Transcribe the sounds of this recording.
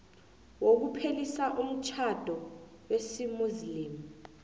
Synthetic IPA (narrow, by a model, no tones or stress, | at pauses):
wok̬upʰelisaʔum̩t͡ʃʰad̥ʱɔ | wesimuzliːmu